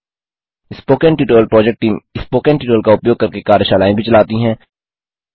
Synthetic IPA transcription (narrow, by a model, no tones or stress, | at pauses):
ɪspoːkɛ̃ɳʈjuːʈoːəlpɾɔːd͡ʒek̚ʈːiːmɪspoːkɛ̃ɳʈiːʈoːlkaʊpjoːɡ̚kɐɾkekaːɾəʃaːlaːẽbʱit͡ʃɐlaːt̪iɦɛ̃ː